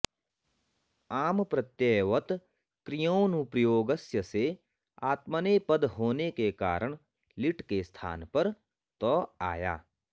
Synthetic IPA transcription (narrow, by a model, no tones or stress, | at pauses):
aːmpɾət̪jeːʋət̪ | kɾɪjonũpɾəjoːɡəsjəse | aːt̪mənepəd̪ɦoːnekeka̰ːɾəɽ̃ | lɪʈkest̪ʰa̰ːnpɐɾ | t̪ɔːa̰ːja̰ː